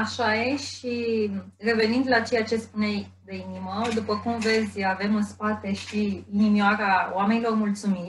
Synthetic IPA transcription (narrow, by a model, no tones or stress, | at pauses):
aʃajeʃire̞ve̞nind̪lat͡ʃe̞jat͡ʃe̞spunejd̪einiməd̪upəkumve̞zʲave̞mɨnspat̪e̞ʃiːnimioaɾao̰ame̞nilo̞rmult̪sumi